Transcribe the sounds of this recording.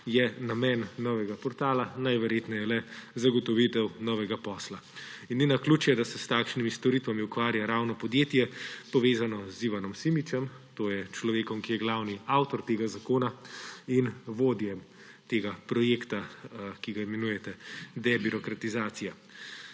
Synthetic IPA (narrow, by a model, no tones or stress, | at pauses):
jɛnamɛnːɔːʋɛɡapɔɾt̪aːlanajʋɛɾjet̪nɔjɛlɛzaɡɔt̪ɔʋit̪ɛwnɔʋɛɡapɔːslainːinaklut͡ʃjɛd̪asɛst̪aːkʃnimist̪ɔɾit̪ʋamiukʋaːɾjaɾawnɔpɔd̪jeːt̪jɛpɔʋeːzanɔziʋanɔmsimit͡ʃɛm | t̪oːjɛt͡ʃlɔʋeːkɔmkijɛɡlawniawt̪ɔɾt̪eːɡazakoːnainʋoːd̪jɛm | t̪eːɡapɾɔjeːkt̪akiɡaimɛnujɛt̪ɛd̪ɛbiɾɔkɾat̪izaːt̪sija